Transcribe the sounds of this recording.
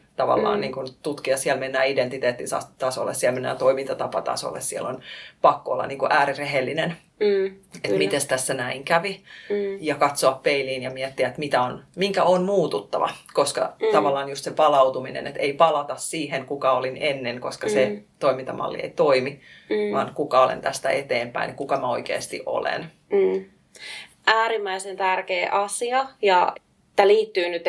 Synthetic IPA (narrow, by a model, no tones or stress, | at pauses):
t̪ɑʋɑ̰lːɑ̰ːnniːŋkunt̪ut̪kiɑssiɛlmenːæːident̪it̪eːt̪ːinsɑ̰st̪ɑso̰lːḛssiɛlmenːæ̰ːt̪oimint̪ɑt̪ɑpɑ̰t̪ɑ̰so̰lːʔḛssiɛlonpɑkːoo̰lːɑ̰niːŋkuʔæːɾireɦelːinen | et̪mit̪est̪æsːænæiŋkæʋijɑkɑt̪soɑppeiliːnjɑmiɛt̪ːiæet̪mit̪æonmiŋkæonmuːt̪ut̪ːɑ̰ʋɑ̰koskɑ̰t̪ɑʋɑlːɑːnjust̪sepɑlɑwt̪uminḛnet̪eipɑlɑt̪ɑssiːɦeŋkukɑolinenːeŋkoskɑset̪oimint̪ɑmʔɑ̰lːḭḛit̪oimiʋɑ̰ːnkukɑolḛnt̪æst̪æet̪eːmpæ̰inkukɑmæoikḛːst̪ḭʔo̰lḛnː | ʔæːɾimːæisent̪ærkeːʔɑsiɑjɑ | t̪ːæliːt̪ːyːnyt̪